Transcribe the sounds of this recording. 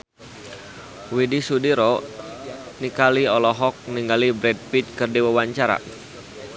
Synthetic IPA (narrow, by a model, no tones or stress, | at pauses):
widisudiɾɔ | nikaliɔlɔɦɔk̚niŋɡalibɾɛd̚pit͡ʃ̚kərdiwawaɲt͡ʃaɾa̰